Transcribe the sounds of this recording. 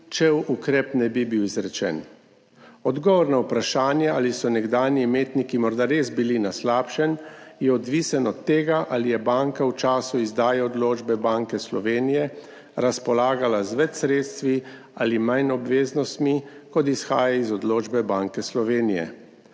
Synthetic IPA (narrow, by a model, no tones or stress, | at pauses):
t͡ʃɛwukɾɛpnɛbibiwizɾɛt͡ʃɛ̰n | ɔd̪ɡɔʋɔɾnawpɾaʃaːnjɛʔalisɔnɛɡd̪aːnimeːt̪nikimɔɾd̪aɾeːzbilinaslaːpʃɛnjɛɔd̪ʋiːsɛnɔt̪ːeːɡaʔalijɛbaːŋkawt͡ʃaːsuizd̪aːjaɔd̪loːd͡ʒbɛbaːŋkɛslɔʋeːnijɛ | ɾaspɔlaːɡalazʋɛt͡ʃ̪sɾeːt̪st̪ʋi | alimajnɔbʋeːznɔst̪mikɔd̪isxaːjaizɔd̪loːd͡ʒbɛbaːŋkɛslɔʋeːnijɛ̰